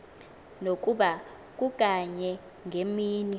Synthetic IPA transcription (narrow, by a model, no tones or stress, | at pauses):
nok̬ʼuɓa | k̬uk̬ʼaɲɛ | ŋʱemiːni